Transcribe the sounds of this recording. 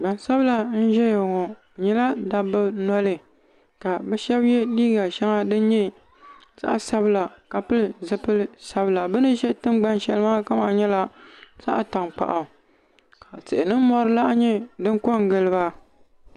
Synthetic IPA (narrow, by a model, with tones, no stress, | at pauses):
ɡ͡ba˨nsa˦bɨ˦la˨n̩˦ʒɛ˦jɛ˨ŋɔ˨ | ɲɛ˦la˦da˨bɨ˦nɔ˦lɨ˨ | ka˨bɛ˦ʃɛ˦bjɛ˦liː˦ɡa˨ʃɛ˦ŋa˦dɨ˦n˦ɲɛ˦ | sa̰˦ʔa˨sa˦bɨ˦la˨ka˨pɨ˦lɨ˨zɨ˦pɨ˦lɨ˦sa˦bɨ˦la˨bɨ˦nɨ˦ʒɛ˦tɨ˦mɡ͡ba˦nʃɛ˦lɨ˦maː˦ka˦ma˨ɲɛ˦la˦sa̰˦ʔa˨ta˨ŋk͡pa̰˨ʔa˨ | ka˨sɨ˨ʔɪ˨nɨ˦mɔ˦ɾɨ˦la˦ʔɲɛ˦dɨ˦ŋ˦ko˦ŋ˨ɡɨ˦˨lɨ˦βa˦